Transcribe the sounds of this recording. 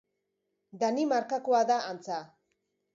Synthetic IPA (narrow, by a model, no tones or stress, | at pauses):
d̪animaɾkakoaðaʔant͡sa